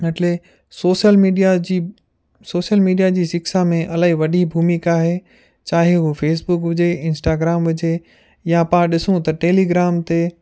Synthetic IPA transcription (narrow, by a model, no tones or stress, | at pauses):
ɐʈle | soːʃəlmiɖiai | soːʃəlmiːɖijad͡ʑiːsɪksamẽʔɐlaːɦiʋɐɖʱibʱuːmikaːɦe | t͡ɕaːɦeɦufeːs̬bʊkʋɪd͡ʑeɪ̃nsʈaːɡɾaːmʋɪd͡ʑe | japɐãɗɪsũt̪ɐʈeːliɡɾaːmt̪e